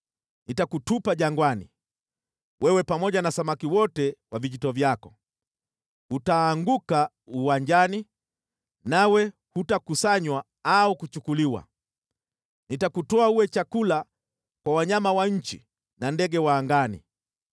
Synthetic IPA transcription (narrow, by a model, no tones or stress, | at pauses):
nitakutupaʄaŋɡwanḭ | wʔɛwɛpamɔʄanasamakiwɔtɛwavid͡ʒitɔvjakɔ̥ | utaːŋɡuka | uwaɲd͡ʒani | nawɛ | hutakusaɲwa | aukut͡ʃukuliwa̰ | nitakutɔauwɛt͡ʃakula | kwawaɲamawaɲ̩t͡ʃḭ | nandɛɡɛwaːŋɡanḭ